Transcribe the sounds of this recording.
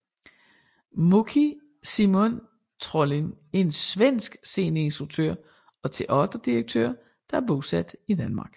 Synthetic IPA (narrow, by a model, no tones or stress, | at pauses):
mokʰi | simɔn | t͡sʰʁɔlin | ensʋen̰sɡ̥se̝ːnəe̝nsd̥ʁuɡ̥̚t͡sʰø̰ɐ̰ | ɒ̽t͡sʰe̝ʔɒ̽d̥ʁɐd̥iʁɐɡ̥̚t͡sʰø̰ɐ | d̥ɑ̈æɐb̥o̝sæd̥id̥ænmɑ̈ːɡ̥